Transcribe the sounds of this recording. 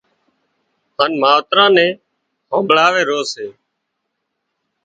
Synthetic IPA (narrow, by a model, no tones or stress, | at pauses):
ɦaːnmaːʋət̪ɾãːnɛ̃ː | hə̃ːmbɭaːʋeːɾoːseː